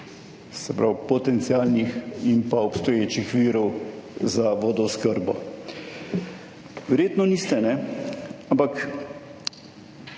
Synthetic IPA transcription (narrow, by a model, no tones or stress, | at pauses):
sɛpɾawpɔt̪ɛnt̪siaːlniximpaɔpst̪ɔjeːt͡ʃixʋiːɾɔwzaʋoːd̪ɔuskəɾbɔ | ʋɛɾjeːt̪nɔnist̪ɛnɛ | ampak